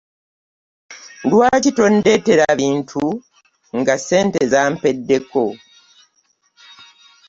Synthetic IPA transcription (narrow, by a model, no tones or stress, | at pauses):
dwaːcito̞nde̞te̞ɾaβiːntʰu | ŋɡase̞ːntezaːmpe̞dːe̞ko̞